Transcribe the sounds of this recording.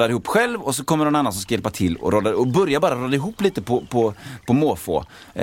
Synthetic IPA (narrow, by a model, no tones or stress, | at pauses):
d̪ad̪ɪhuːpːɧɛlvɔs̬ɔkʰɔmːəɳɔnanːansɔmskajɛlpat̪ʰɪlːɔ̰ɾoːd̪aɔbœɾjabɑːɾaɾoːd̪aɪɦuːpːliːt̪əpʰɔpʰɔpʰɔmoːfo̰ː